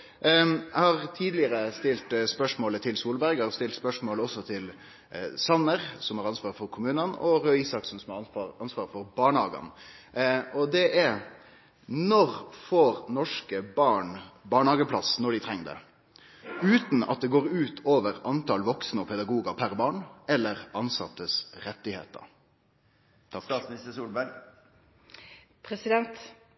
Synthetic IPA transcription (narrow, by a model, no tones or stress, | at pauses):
æhɑɾt̪ʰiːd̪lɪəɾəst̪ɪlt̪spœʂmoːlət̪ʰɪlsuːlbæɾɡəɾɑɾst̪ɪlt̪spœʂmoːləɔsːɔt̪ʰɪl | sɑnːəɾsɔmhɑɾɑnsʋɑːɾfɔɾkʰʊmʉːnənɔ̰ɾœiːsɑksnsɔmhɑɑnsʋɑːɾfɔɾbɑːɳəhɑːɡə̰n | ɔd̪ɛʔɛɾ | nɔɾfoːɾnɔʂkəbɑːɳbɑːɳhɑːɡəpʰlɑsnɔɖɪt̪ʰɾɛŋːd̪ɛ̰ | ʉːt̪n̩ɑt̪̚d̪ɛɡoːɾʉːt̪ʰoːʋəɾɑnt̪ʰɑːlʋɔksnəɔpʰɛd̪ɑɡuːɡəpʰæɾbɑːɳɛlːəɾʔɑnsɑ̰t̪ːəsɾɛt̪ːɪhḛːt̪ə̰ɾ | t̪ʰːsnɪst̪əsuːlbæɾɡ | pʰɾɛsɪd̪ɛnt̪